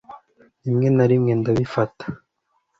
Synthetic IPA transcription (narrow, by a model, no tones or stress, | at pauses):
imŋe̞naɾimŋendaβifatḁ